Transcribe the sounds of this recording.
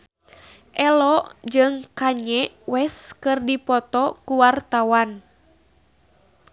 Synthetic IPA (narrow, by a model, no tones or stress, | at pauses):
ʔɛlɔʔd͡ʒɨŋkaɲɛ | wɛskɨrdipɔt̪ɔkuwart̪awan